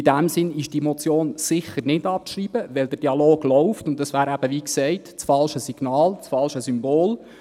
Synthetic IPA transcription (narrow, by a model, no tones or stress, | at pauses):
idæmsɪnɪʃd̥imot͡sjoːnsɪχərnɪdɑp̚ʃriːb̥əʋɛld̥əɾd̥iɑloːɡ̥lɔʊftʊntdɑsʋæːɾæb̥əʋiːksɛɪtt͡sfɑlʃəsiɡ̥nɑːlt͡sfɑlʃəsymboːl